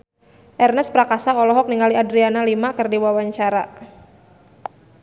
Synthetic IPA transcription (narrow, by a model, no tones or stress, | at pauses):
ʔɛrnɛspɾakasaɔlɔɦɔk̚niŋaliadɾianalimakɨrdiwawaɲt͡ʃaɾa